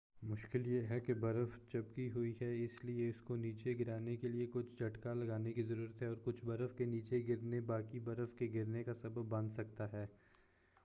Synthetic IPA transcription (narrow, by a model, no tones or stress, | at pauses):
mʊʃkɪljeɦɛkebɐɾəft͡ʃɐbkiɦʊiɦɛɪslieʊskoniːt͡ʃeɡɪɾaːnekeliekʊt͡ʃʰd͡ʒʱɐʈkalɐɡaːnekizɐɾuːɾət̪ɦɛɔːɾkʊt͡ʃʰbɐɾəfkeniːt͡ʃeɡɪɾnebaːkibɐɾəfkeɡɪɾnekasɐbəbːɐ̃nd̪sɐk̚t̪aɦɛː